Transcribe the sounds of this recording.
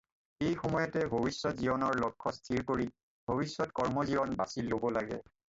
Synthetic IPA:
ejxɔmɔjɔtɛbʱobisːɔtzibɔnɔɹlɔkʰːɔstʰiɹkoɹi | bʱobisːɔtkɔɹmɔzibɔnba̰sillːobɔlaɡɛ̰

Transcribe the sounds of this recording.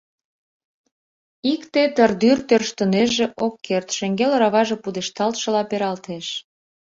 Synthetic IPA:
ikt̪et̪ərd̪yrt̪ørʃt̪ə̆neʒeʔokʰːert̪ʃeŋɡelrɑβɑʒĕpud̪eʃt̪ɑlt̪ʃɤ̆lɑpeɾɑlt̪eʃ

